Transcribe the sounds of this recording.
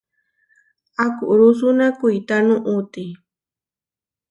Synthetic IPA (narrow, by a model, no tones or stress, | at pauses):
akʊʔɾʊsʊnakʊjt̪anʊʔʊt̪ɪ